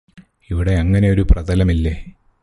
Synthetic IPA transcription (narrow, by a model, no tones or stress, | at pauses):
iʋiɽe̞ɐŋːɐne̞o̞ɾuprɐd̪ɐlɐmilːeː